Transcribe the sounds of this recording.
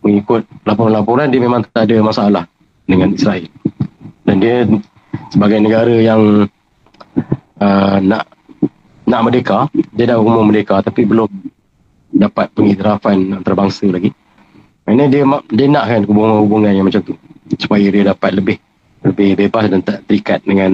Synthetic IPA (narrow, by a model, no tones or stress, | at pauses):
məŋikʊt̪̚lapɔɾanlap̬uɾandiəmemãŋt̪ət̪aadəmasaalah | dəŋanisɾaɛl | dandiə | səbaɡajnəɡaɾəjaŋ | ənaʔ | naʔmədekadiədahumʊŋmədekat̪apibəlʊm | dapat̪̚pəɡit̪əɾafanant̪aɾabaŋsəlaɡi | manədiəmadiənaʔkankubuŋanhubuŋanjaŋmat͡ʃamt̪usu̥pajadiədapat̪̚ləbɪh | ləbɪhbebasdant̪aʔt̪əɾikat̪̚dəŋan